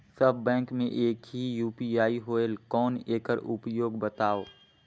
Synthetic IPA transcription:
sɐbbɛ̃ːŋkmḛ̃ʔeːkɦijuːpiaːiɦoːelkɔːneːkəɾʊpjoːɡbɐt̪aːoː

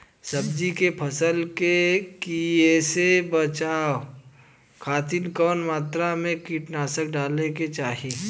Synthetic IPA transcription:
sɐbd͡ʒikepʰɐsəlkekiesebət͡ʃaːo | kʰaːt̪inkɔːnmaːt̪ɾamẽkiːʈnaːsək̚ɖaːleket͡ʃaːɦi

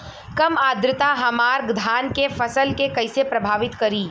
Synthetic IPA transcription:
kɐmaːd̪ɾɪt̪aɦɐmaːɾɡd̪ʱaːnkefɐsəlkekɐɪsepɾɐbʱaːʋɪt̪kɐɾiː

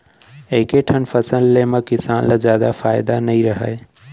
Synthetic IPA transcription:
eɦɪkeʈʰənfɐsəlːemãkɪsaːnlazjaːd̪afaːɪd̪anɐɦĩɾɐɦa̰e

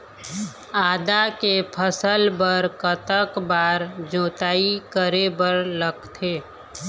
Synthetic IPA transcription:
aːd̪akepʰəsəlbəɾkət̪əkbaːɾd͡ʒoːt̪aːikəɾebəɾləɡt̪ʰeː

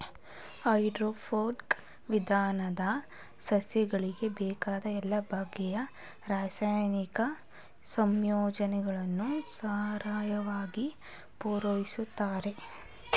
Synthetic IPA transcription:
hɐjɖɾoːpʰoːɾk | ʋid̪ʱaːnɐd̪ɐ | sɐsjɐɡɐɭiɡe̞bɛːkaːd̪ɐɛlːɐbʱaːɡːɛjɐ | ɾaːsaːjnikɐ | sɐmjɔːd͡ʒɐnɛɡɐɭɐnːusaːɾaːjɐʋaːɡi | puːɾɐʋisut̪ːaːɾe̞

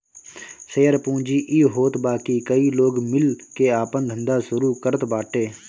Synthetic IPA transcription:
seːəɾpũːd͡ʒiːʔiːɦoːt̪baːkiːkəiːloːɡmɪlkeːaːpənd̪ʱə̃nd̪aːsʊɾuːkəɾət̪baːʈeː

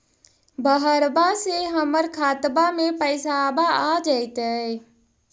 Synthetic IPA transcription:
bəɦəɾbaseɦəməɾkʰat̪bamepəɪsabaad͡ʒəɪt̪ə

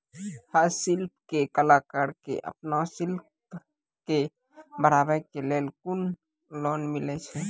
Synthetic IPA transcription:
həɾsɪlp̚ʰkekəlaːkaɾkḛʔə̰pnasɪlp̚ | ke | bəɾaːbəɾkelelkʊn | lɔːnmɪlɛt͡ʃʰɛ

